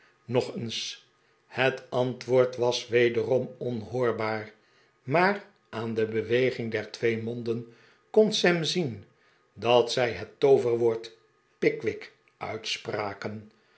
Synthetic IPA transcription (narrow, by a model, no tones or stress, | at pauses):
nɔχəns | hətɑntʋoːɹtʋɑsʋejdərɔmɔnɦʊːɹbaːɹ | maːr | ʔaːndəbəʋejχɪŋdɛɹtʋejmɔndən | kɔnsɛmzin | dɑtsɛjɦətːowvəɹʋoːɹt | pɪkʋɪk | œ̰ɥtspraːkən